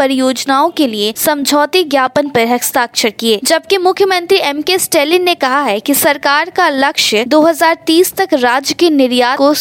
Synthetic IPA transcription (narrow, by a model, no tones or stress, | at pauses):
ɐɾjoːd͡ʒnaːõkeliesɐ̃md͡ʒʱɔːt̪iɡjaːpənpɐɾɦɐkst̪aːkʃəɾkieːd͡ʒɐb̚kemʊkʰjəmə̃nt̪ɾiɛmkesʈeːlɪnːekɐɦaɦɛkisɐɾkaːɾkalɐkʃəd̪oːɦɐzaːɾt̪iːst̪ɐkɾaːd͡ʒjəkenɪɾjaːko